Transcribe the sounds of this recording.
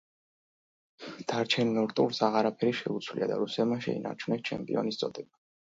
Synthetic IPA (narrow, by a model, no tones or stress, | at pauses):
d̪̥aɾt͡ʃʰɛnmɛvɾt̪ʼuɾsaʁaɾapʰɛɾiʃɛut̪sʰwlḭad̪a̰ɾusɛmaʃɛ̰ḭnʔa̰ɾt͡ʃʰwnɛst͡ʃʰɛmpʼḭɔ̰nist̪sʼɔd̪ɛba